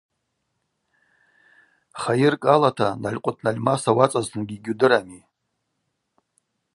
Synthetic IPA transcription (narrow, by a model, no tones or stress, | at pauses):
χajɪrkʼalatʰanalʲqʷʼʊtʰʼnalʲmasawat͡sʼaztʰɨnɡʲiɡʲudɨɾami